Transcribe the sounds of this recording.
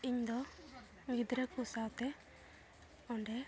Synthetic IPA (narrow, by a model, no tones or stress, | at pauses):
iɲd̪ɔ | ɡid̪ɾɛkusawt̪ɛ | ɔɳɖɛ